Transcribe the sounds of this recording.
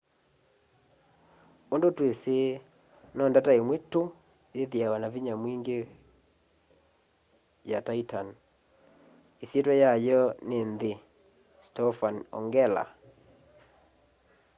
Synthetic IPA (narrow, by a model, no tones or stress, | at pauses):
ondotwese | nɔndataemweto | jeðjawanaviɲamwiŋɡe | jataitan | esjetwɛjajɔnenðe | stɔfanɔ̰ŋɡɛla̰